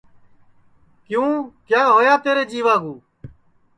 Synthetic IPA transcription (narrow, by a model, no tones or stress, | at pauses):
kjũːkjaːɦoːjaːt̪eːɾeːd͡ʒiːʋaːɡũː